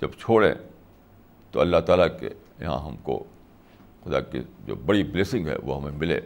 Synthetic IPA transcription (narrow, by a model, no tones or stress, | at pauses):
d͡ʒɐbt͡ʃʰoːɽḛ̃ː | t̪oɐlːaɦt̪aːlake | jɐ̰ɦã̰ɦɐmko̰ | xʊd̪akḭd͡ʒo̰ːbɐɽibleːsɪ̃ŋɡɦɛ̰ʋoːɦɐmẽmɪlḛ̃ː